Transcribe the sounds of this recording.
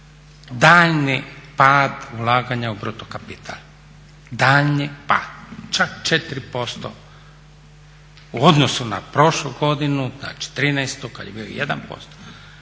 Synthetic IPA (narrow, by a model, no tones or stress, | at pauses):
d̪aːʎnipaːd̪ulaːɡaɲaubɾut̪okapit̪ʰa̰l | d̪aːʎnipa̰ːd̪̥t͡ʃakt͡ʃet̪ɾipo̞st̪o̰ | uod̪nosunapɾo̞ʃluɡo̞d̪inuzna̰ːt͡ʃi̥t̪ɾiːnɛjst̪uka̰d̪jebilo̰jed̪a̰npo̞̰st̪o̥